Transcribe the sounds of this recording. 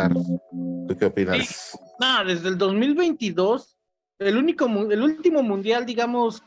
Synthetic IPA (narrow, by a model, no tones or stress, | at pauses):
aɾt̪ukeopinasnoðe̞zðe̞ld̪o̞zmilβe̞jnt̪iðo̞s | elunikomũelult̪imo̞mũnd̪jald̪iɣamos